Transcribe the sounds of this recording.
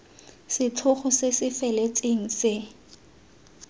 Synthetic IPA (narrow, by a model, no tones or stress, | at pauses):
sɪt͡ɬʰʊχʊsesɪfɛlet͡sʼeŋ̩sɪ